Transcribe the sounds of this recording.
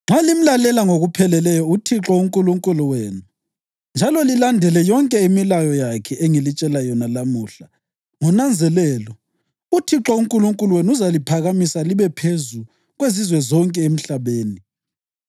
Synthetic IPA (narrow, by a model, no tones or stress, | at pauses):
ŋ͡ǁalim̩lalɛlaŋoɣupʰɛlɛlɛjɔutʰiǁɔuŋkʼuluŋkʼuluweːnu | nd͡ʒʱalɔlilandʱɛlɛjɔŋkʼɛimilajɔjakʰɛʔeŋilit͡ʃʼɛlajɔnalamuːɬa | ŋɔnand͡zʱɛlɛlɔ | utʰiǁɔuŋkʼuluŋkʼuluwenuzalipʰaɣamisaliβɛpʰezu | ɣwezizwɛzɔŋkʼɛem̩ɬaβeːni